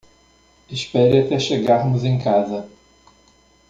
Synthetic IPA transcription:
ɪʃpɛɾɪat̪ɛʃeɡaɾmʊzẽj̃kazɐ

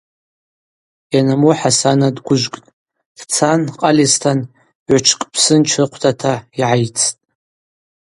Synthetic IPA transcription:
janamuħasanadɡʷʊʒʷkʼtʼ | d̥t͡sʰanqʼalistʰan | ʕʷt͡ʃʰkʼpʰsɨnt͡ʃʰrɨqʷʰtʰatʰaiʕajt͡sʰtʼ

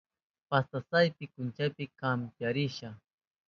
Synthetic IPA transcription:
past̪asajpɪkʊnt͡ʃajpɪkampjaɾɪʃa

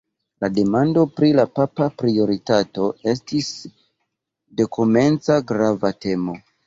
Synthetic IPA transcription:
lade̞mando̞pɾilapapapɾio̞ɾitato̞e̞s̬tis | de̞kʰome̞nt͡saɡɾavate̞mo̞

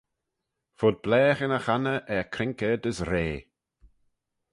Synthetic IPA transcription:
fʊd̪̚blɛːxɪnəxanəʔɛkʰɾɪŋkəd̪əsɾeː

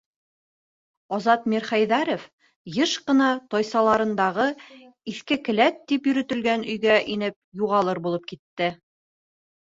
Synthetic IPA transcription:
ɒzɑt̪miɾχæjðæɾŏf | jɤʃqɤ̆nɑt̪ɒjsɑlˠɑɾɤ̆nd̪ɑʁɤ | iθkɘkɘ̆læt̪ːipjɵ̆ɾɵ̆t̪ɘ̆lɡænɵ̆jɡæʔinɘp̚juʁɑlˠɤɾbulˠɤp̚kit̪ːɘ

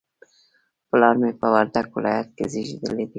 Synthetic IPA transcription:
pəlɑɾmepəwaɾd̪aɡwɪlɑ̰jat̪̚kḛziʒid̪ə̰led̪i

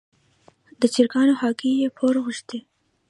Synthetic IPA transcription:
d̪ət͡ʃɪɾkɑnoxɑkijepʰoɾɣʊʃt̪e

